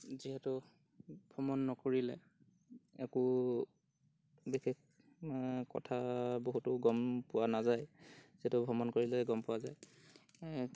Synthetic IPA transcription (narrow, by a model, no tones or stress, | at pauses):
ziɦɛtʊ | bʱɔmɔnːɔkoɹilɛ̰ | ɛkʊ | bixek | kɔ̰tʰaboɦutʊɡɔmpʊwanazajziɦɛtʊbʱɔmɔnkoɹilɛɡɔmpʊwazaj